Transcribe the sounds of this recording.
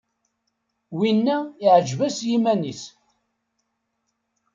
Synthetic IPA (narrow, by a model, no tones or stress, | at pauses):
winːæɪʕəd͡ʒvæsjimænis